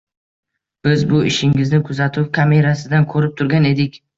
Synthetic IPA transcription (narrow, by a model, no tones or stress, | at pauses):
b̥ɪzbʊɪʃɪŋɪznɪkʰʊzat̪ʰʊpkʰame̞ɾasɪd̪ankʰɵɾɪp̚t̪ʰʊɾɡʲane̞d̪ɪkʲ